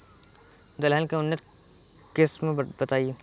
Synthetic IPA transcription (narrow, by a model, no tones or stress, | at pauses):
d̪ɐlɦəlkeʊnːɪt̪ | keːsmẽbɐt̪aːieː